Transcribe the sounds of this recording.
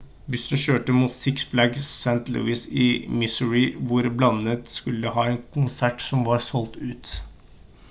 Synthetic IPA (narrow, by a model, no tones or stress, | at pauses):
bʉsn̩ʃøːʈəmuːt̪sɪksblæɡsænt̪lʉ̰ːɪsɪmɪsəɹɪʋʊɾblɑnət̪skʉlːəhɑːɛːnkʰʊnsæʈsɔmʋɑɾsɔlt̪ʉːt̪